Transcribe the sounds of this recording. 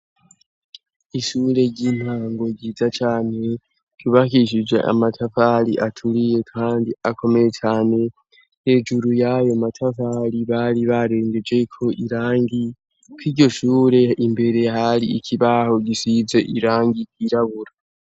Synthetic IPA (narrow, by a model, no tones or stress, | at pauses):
iʃuɾe̞ɟiːn̥haːŋɡo̞ɟiːzat͡ʃaːne̞ | kuβakiʃ̬id͡ʒwe̞̰ʔa̰matʰafalḭʔatʰuɾije̞kʰaːndiakʰo̞me̞je̞t͡ʃaːne̞ | he̞ːd͡ʒuɾujajomatʰafaɾiβaɾiβaɾe̞ːŋɡe̞d͡ʒe̞kʰo̞ʔiɾaːŋɡi | kwiɾɟo̞ʃuːɾe̞imbe̞ɾe̞haɾiikʰiβaho̞ɟisize̞ʔiɾaːŋɡikwiɾaβuɾa